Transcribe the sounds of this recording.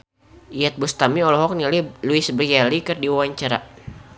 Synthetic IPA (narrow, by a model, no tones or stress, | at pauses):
ijat̪̚bust̪amiɔlɔɦɔk̚nililuisbrijalikɨrdiwawaɲt͡ʃaɾa̰